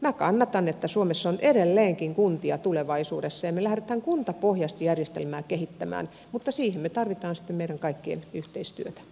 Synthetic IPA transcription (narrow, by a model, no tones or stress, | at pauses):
mækɑnːɑt̪ɑnet̪ːæsuomesːonʔeɾelːeːŋkiŋkunt̪iɑt̪uleʋɑisuːdesːɑemelæhret̪æŋkunt̪ɑpohjɑst̪ijærjest̪ḛlmæːkehit̪ːæmæ̰ːn | mut̪ːɑsiːhemmet̪ɑrʋit̪ɑːnsi̥t̪ːemeiɾæŋkɑikːiḛnyht̪eist̪yøt̪æ̥